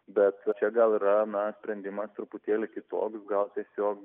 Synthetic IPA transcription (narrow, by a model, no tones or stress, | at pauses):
bʲɛt̪t͡ʃʲɛɡɐlˠiːɾɐnɐsʲpʲɾʲɛnʲd̪ʲɪmɐst̪ɾʊpʊt̪ʲeːlʲɪkʲɪt̪o̰ːksɡɐlˠt̪ʲiɛsʲoːk